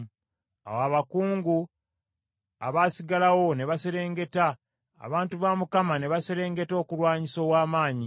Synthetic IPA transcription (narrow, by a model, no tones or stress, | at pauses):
a̰waβakuːŋɡu | a̰βaːsiɡalawo̞ne̞βaseɾe̞ːŋɡe̞ta̰ː | βaːntuβamukamane̞βaseɾe̞ːŋɡe̞to̞ːkulwaːɲiso̞ːwaːmaːɲi